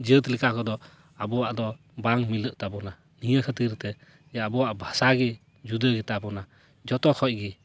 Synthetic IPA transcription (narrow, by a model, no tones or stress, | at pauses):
d͡ʒət̪likʰakʰɔd̪ɔ | abɔwaʔd̪ɔ | baŋmiləʔtabɔna | nijəkʰɯt̪iɾt̪ɛ | ɛabɔwaʔbʱasaɡɛ | d͡ʒud̪əɡitabɔna | d͡ʒɔt̪ɔkʰɔj̚ɡi